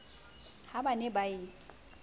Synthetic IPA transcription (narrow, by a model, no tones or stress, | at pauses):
habanɛbaɪ